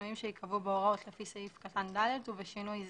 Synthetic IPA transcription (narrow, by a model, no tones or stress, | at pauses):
uimʃeikʰavubeoʁaot̪lefiseifkat̪and̪aleduveʃinujz